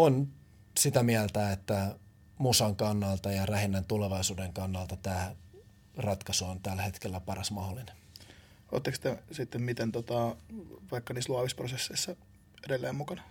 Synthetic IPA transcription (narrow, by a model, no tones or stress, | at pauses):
on | sit̪æmiælt̪æet̪ːæ | musɑŋkɑnːɑlt̪ɑjɑræhinːænt̪uleʋɑisuːdeŋkɑnːɑlt̪ɑt̪æː | rɑt̪kɑsuont̪ælːæhet̪kelːæpɑrɑsmɑholːine | o̰ːt̪ːɑkst̪esit̪ːemmit̪ent̪ot̪ɑʋɑikːɑniːsluɑʋisprosesːeisːɑ | edelːeːmmukɑnɑ